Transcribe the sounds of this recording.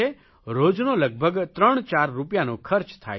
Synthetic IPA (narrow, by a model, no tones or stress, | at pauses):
e | ɾod͡ʒnoləɡ̚bʱəɡt̪ɾəɳ̃t͡ʃaɾːupjanõkʰəɾt͡ʃt̪ʰa̰